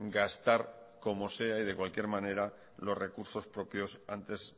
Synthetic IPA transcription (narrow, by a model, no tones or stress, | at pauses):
ɡast̪aɾ | ko̞mo̞se̞aið̞e̞kwalkje̞ɾmãne̞ɾa | lo̞sre̞kuɾso̞spɾo̞pjo̞sant̪e̞s